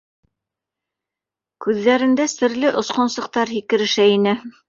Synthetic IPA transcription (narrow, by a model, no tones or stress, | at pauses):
kʉðːæɾɘ̆nd̪æsɘ̆ɾlɘʔŏsqŏnsɤ̆q̚t̪ɑɾhikɘ̆ɾɘ̆ʃæinɘ